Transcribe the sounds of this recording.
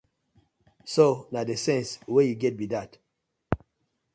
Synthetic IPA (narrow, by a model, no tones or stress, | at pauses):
sonadesɛ̃nswejuɡɛt̚bidat